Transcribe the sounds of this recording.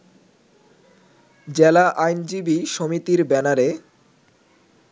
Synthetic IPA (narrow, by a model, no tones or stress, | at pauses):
d͡ʑelaʔajnd͡ʑibiʃomit̪iɾbɛnaɾe